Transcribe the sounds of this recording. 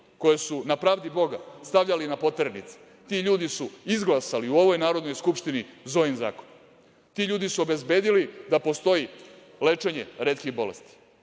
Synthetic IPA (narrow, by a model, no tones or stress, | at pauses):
ko̞jesunapɾaːʋd̪ibo̞ɡa̰st̪aʋʎalinapo̞t̪eɾenit̪si̥ | t̪iʎuːd̪isuizɡlˠasaliuoʋo̞jnaːɾo̞d̪no̞jskupʂt̪inizo̞jinza̰ːkon | t̪iʎuːd̪isuo̞be̞zbe̞ːd̪ilid̪apo̞st̪o̞ji | le̞t͡ʂeɲeɾeːt̪kiɣbo̞le̞̰st̪i̥